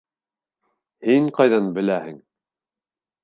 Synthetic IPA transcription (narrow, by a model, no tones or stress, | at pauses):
hiŋqɑjðɑnbɘ̆læhɘŋ